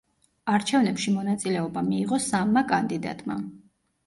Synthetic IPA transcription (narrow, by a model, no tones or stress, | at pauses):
aɾt͡ʃʰɛvnɛpʃimɔnat̪sʼilɛɔbamiːʁɔsamːakʼand̪id̪a̰t̪ʼma̰